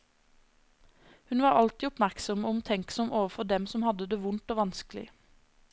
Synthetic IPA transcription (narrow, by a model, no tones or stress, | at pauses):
hʉnʋɑːʁɑlt̪iːɔpmæʁksɔmʊmt̪ʰɛŋksɔmʔoːʋəfɔd̪ɛmsɔmhɑd̪əd̪eːʋʊnt̪oːʋɑnsklɪ̰